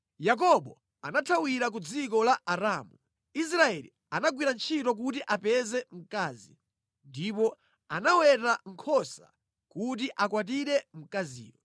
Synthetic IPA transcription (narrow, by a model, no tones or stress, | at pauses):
jak̬ɔɓɔ | anatʰawiɾak̬ud͡zikɔlaaɾaːmu | is̬ɾaɛlḭ | anaɡwiɾant͡ʃʰitɔk̬ut̬iʔapɛzɛm̩kaːzi | ndipɔ | anawɛtaŋ̩kʰɔsa | kut̬iʔakwat̬iɾɛm̩kazḭːwɔ